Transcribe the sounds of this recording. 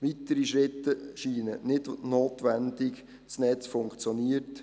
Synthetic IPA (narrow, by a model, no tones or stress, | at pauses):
ʋit̪əɾiʃɾɪt̪ːəʃiːnənɪdnoːt̪ʋænd̪ɪk | snɛt͡sfʊŋkt͡sjɔniːəɾt